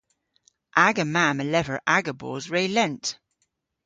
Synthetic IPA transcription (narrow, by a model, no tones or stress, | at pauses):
ʔaɡəmaməlɛvəɹʔaɡəbo̰ːzɹeːlɛ̃nt